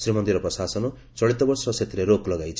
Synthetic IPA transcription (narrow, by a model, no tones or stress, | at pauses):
sɾimʌnd̪iɾɔpɾɔsasɔno | t͡sɔɭit̪ɔbʌrsɔsʰet̪ɾeɾoklʌɡajt͡sʰ